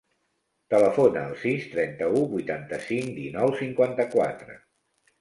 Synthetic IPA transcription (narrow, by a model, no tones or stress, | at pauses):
t̪ələfonəːlˠsist̪ɾɛnt̪əuβujt̪ant̪əsiŋd̪inɔwsiŋkwant̪əkwat̪ɾə̰